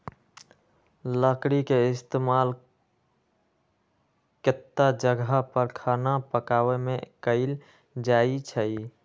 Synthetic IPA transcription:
ləkɽikeɪst̪emal | kɪt̪ːad͡ʒəɡʱapəɾkʰanapəkawemekəɪl | d͡ʒait͡ʃʰəi

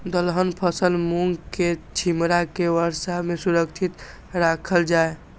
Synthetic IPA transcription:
d̪əlɦənpʰəsəlmuŋɡket͡ʃʰimɾakeʋəɾsamesuɾəkt͡ʃʰit̪ | ɾakʰəld͡ʒae

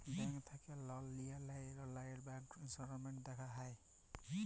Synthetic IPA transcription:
baŋkt̪ʰakelɔlːijalajɾɔlajeɖbaŋkɾinsɔɾɔmeɳʈ̚d̪ekʰaɦaj

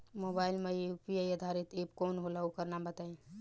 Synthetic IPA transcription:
moːbaːɪlmeupiajəd̪ʱaɾɪt̪eːpkoːnɦolaukəɾnabət̪aːẽ

